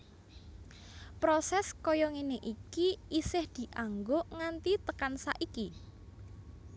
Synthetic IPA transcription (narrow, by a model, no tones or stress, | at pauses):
pɾɔsɛskɔjɔŋineʔikiisɪhd̪̥i̤ʔaŋɡoŋant̪it̪əkansa̰ʔiki